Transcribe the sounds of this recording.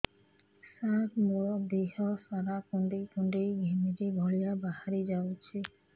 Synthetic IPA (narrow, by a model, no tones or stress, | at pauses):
sat̪mɔd̪eɦɔsaɾakuɳɖekuɳɖejɡʱemiɾebʱɔɭijabahaɾid͡ʒawt͡ɕʰe